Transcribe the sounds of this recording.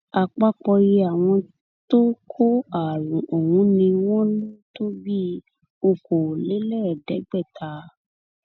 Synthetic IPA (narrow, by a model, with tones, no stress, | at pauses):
a˨k͡pa˧k͡pɔ˧je˧a˨w̃ɔ̃˧ | to˦kʰo˦a˨ɾũ˨o˨wũ˨˦nĩ˧w̃ɔ̃˦nũ˦to˦bi˦ | o˧ko˨le˨˦lɛ˦˨dɛ˨˦ɡ͡bɛ˦˨tʰa˧˦